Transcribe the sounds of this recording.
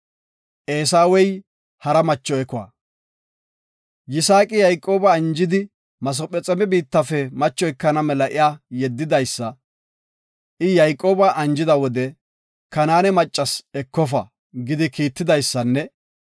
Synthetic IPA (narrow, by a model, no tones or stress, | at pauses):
ʔeːsaːwɛj | hɐɾɐmɐt͡ʃːɔɛkʊwa̰ː | jɪsaːkʼɪjɐjkʼːo̞ːbɐːnd͡ʒɪd̪ɪ | mɐs̬ɔpʼɛt͡sʼɛmɛbiːt̪ːɐfɛmɐt͡ʃːɔjkːɐnɐmɛlɐʔɪjaːjɛd̪ːɪd̪ɐjsːɐ | ʔɪjɐjkʼːo̞ːbɐʔɐnd͡ʒɪd̪ɐwɔd̪ɛ | kɐnaːnɛmɐt͡ʃʼːɐsɛkːɔfɐ̰ | ɡɪd̪ɪkiːt̪ːɪd̪ɐjsːɐnːɛ